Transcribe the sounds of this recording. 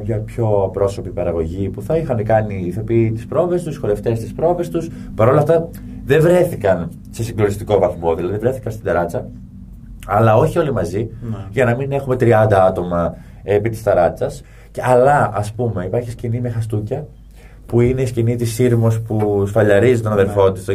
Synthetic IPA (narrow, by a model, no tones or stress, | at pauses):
pɲɐpço̞ɐpɾo̞so̞pipɐɾɐɣo̞ʝipuθɐixɐnkɐniθɐpit̪i̥spɾo̞ve̞st̪usxo̞ɾe̞ft̪e̞st̪ispɾo̞ve̞st̪us | pɐɾo̞lɐft̪ɐ | ðevɾe̞θikɐn | se̞siŋɡlonist̪iko̞vɐθmo̞ðilɐðivɾeθikɐnst̪ind̪ɐɾɐt͡sɐ | ɐlɐo̞çio̞limɐziʝɐnɐmine̞xume̞t̪ɾiɐnd̪ɐɐt̪o̞mɐ | epit̪i̥st̪ɐɾɐt͡sɐs | ɐlɐɐspume̞ipɐɾçiscinimexɐst̪ucɐ | puine̞iscinit̪isiɾmo̞spusfɐʎɐɾizit̪o̞nɐðe̞ɾfo̞t̪ist̪